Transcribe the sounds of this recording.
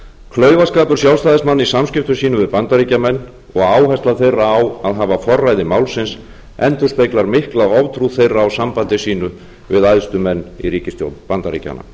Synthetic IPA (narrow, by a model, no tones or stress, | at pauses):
kʰlœːɥvaskaːpʏɾ̥sjawlst̪aːðɪsmanːisamscɪft̪ʏsiːnʏvɪðpant̪aɾiːcamɛnː | ɔɣaːwɦajst̪laθejrːaːwaðɦaːvafɔrːajðɪmawlsɪns | ɛnt̪ʏ̥spejklaɾmɪhklaɔvt̪ʰɾuθejraːwsampant̪ɪsiːnʏ | vɪðajðst̪ʏmɛnːḭɾiːcɪst̪jo̰wt̪npant̪aɾḭca̰na̰